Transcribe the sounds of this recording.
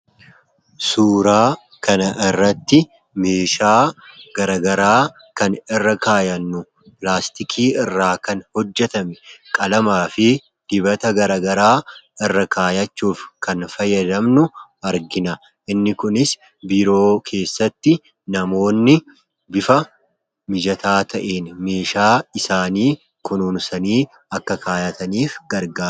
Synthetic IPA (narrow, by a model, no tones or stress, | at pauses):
suːɾaː | kɐnɐʔɪrːɐt̪ːɪ | me̞ːʃaːɡɐɾɐɡɐɾaː | kɐnɪrːɐkaːjɐnːʊ | plaːst̪ɪkʰiːɪrːaːkɐnhɔd͡ʒːɛt̪ɐmɛkʼɐlɐmaːfɪ | d̪̥ɪbɐt̪ɐɡɐɾɐɡɐɾaːɪrːɐkaːjɐt͡ʃːuːfkʰɐnfɐjːɐd̪ɐmnʊɐɾɡɪnɐ | ʔɪnːɪkʊnɪs | biːɾo̞ːkʰe̞ːsːɐt̪ːɪ | nɐmo̞ːnːɪ | bɪfɐ | mɪd͡ʒɐt̪aːt̪ʰɐʔe̞ːnme̞ːʃaːɪsaːniː | kʊnuːnsɐniː | ɐkːɐkʰaːjɐt̪ɐniːfɡɐɾɡaː